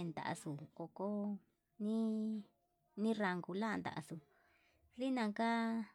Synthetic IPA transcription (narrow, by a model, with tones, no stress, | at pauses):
nd̪a̰˨ʔa̰˧su˨ko˧ko˦ | nĩ˦ | nĩ˦ra˧ŋɡu˧la˦˧nd̪a̰˨ʔa̰˧su˧˨ | ði˦nã˧ka˦